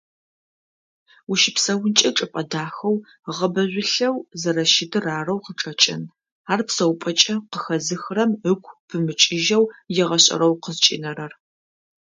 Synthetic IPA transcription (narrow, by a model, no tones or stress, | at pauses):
wʊʃɪpsɐwʊnt͡ʃʼɐʈ͡ʂʼɨpʼɐdaːxɐw | ʁɐbɐʑʷɪɬɐwzɐɾɐʃɪdʰɨraːrɐwqəʈ͡ʂʼɐt͡ʃʼɪ̰n | aːrpsɐwpʷʼɐt͡ʃʼɐqəxɐzɨxrɐməkʷʰʼpʰɨmɨt͡ʃʼɪʒɐwjɛʁɐɕʼɐ̰ɾɐwqəzt͡ʃʼḭnɐɾɐr